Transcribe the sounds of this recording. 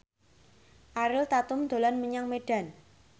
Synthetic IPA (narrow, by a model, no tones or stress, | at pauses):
ʔaɾɪlt̪at̪ʊmd̪̥o̤lanməɲaŋmeɖ̥a̤n